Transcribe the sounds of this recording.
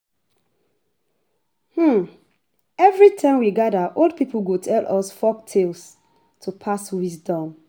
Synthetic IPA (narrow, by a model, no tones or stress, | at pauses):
hm̩ | ɛvɹitʰãɪ̃mwiɡadəʔolˠd̚pipʰəlɡutʰɛlʔɔsfɔk̚tʰels | tʰupʰaswisdɔ̃m